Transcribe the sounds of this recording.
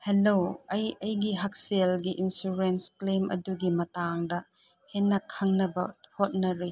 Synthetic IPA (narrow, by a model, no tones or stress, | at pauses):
heloɐjɐjɡiɦɐk̚selɡiʔinsuɾensklemʔɐ̰duɡimɐtaŋdɐ | henːɐkʰɐŋnɐbɐhot̚nɐɾi